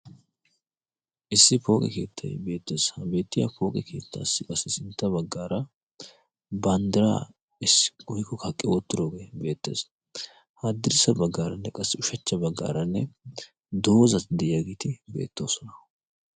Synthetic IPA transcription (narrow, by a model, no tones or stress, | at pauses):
ʔɪsːɪpo̞ːkʼɛ̰ke̞̰ːt̪ʰːɐjbe̞ːt̪ːe̞ːshɐbe̞ːt̪ːɪja̰po̞ːkʼɛkʰeːt̪ːa̰ːsːɪkʼɐsːɪsɪnt̪ːɐbɐɡːaːɾɐ | bɐnd̪ɪɾa̰ː | ɪsɡʊhɪkːɔkʰɐkʼːɪot̪ːɪɾo̞ːɡebe̞ːt̪ːe̞̰ːs | had̪ːɪɾɪsɐbɐɡːaːɾɐnːɛkʼɐsːɪʊʃɐt͡ʃːɐbɐɡːa̰ːɾɐnːɛ | d̪o̞ːzɐd̪ɛʔɪjaɡiːt̪ɪbe̞̰ːt̪ːo̞ːsɔnɐ̥